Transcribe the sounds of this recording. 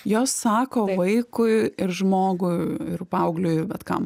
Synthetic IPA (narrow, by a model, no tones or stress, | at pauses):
joːsːɑːkoːʋɐɪkʊɪɪɾʒmoːɡʊɪɪrpɐʊɡlʲʊɪʋʲɛt̪kɐ̰m